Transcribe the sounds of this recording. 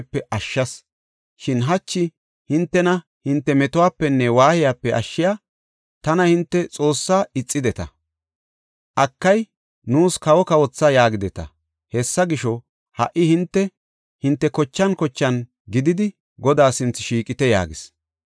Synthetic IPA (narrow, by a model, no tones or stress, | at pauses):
pːɛʔɐʃːɐs | ʃɪnɦɐt͡ʃːɪ | hɪnt̪ːɛnɐ | hɪnt̪ːɛmɛt̪ʊwaːpːɛnːɛwaːhɪjaːpːɛʔɐ̰ʃːɪjaː | t̪ɐnɐhɪnt̪ːɛt͡sʼo̞ːsːaːɪt͡sʼːɪd̪ɛt̪ɐ̰ | ʔɐkːɐj | nuːskɐwɔkɐwɔt͡sːɐjaːɡɪd̪ɛt̪ɐ̰ | hɛsːɐɡɪʃɔ | hɐ̰ʔɪhɪnt̪ːɛ | hɪnt̪ːɛkɔt͡ʃːɐnkɔt͡ʃːɐn | ɡɪd̪ɪd̪ɪ | ɡɔd̪aːsɪnt͡sːɪʃiːkʼɪt̪ɛja̰ːɡɪs